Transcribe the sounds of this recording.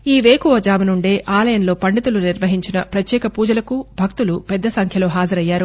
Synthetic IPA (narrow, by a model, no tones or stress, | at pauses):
iːʋeːkuʋɐd͡ʒaːmɐnuɳɖe̞ːʔaːlɐjɐnlo̞ːpɐɳɖit̪uluniɾʋɐɦiɲt͡ʃinɐpɾɐt̪jɛːkɐpuːd͡ʒɐlɐkubʱɐk̚t̪ulupɛd̪ːɐsɐŋkʰjɐlo̞ːɦaːd͡ʒɐɾɐjːaːɾu